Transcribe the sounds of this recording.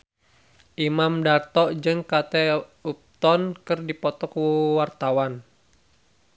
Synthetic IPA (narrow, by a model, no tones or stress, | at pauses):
ʔimamdart̪ɔʔd͡ʒɨŋkat̪ɛup̚t̪ɔnkɨrdipɔt̪ɔkwart̪awan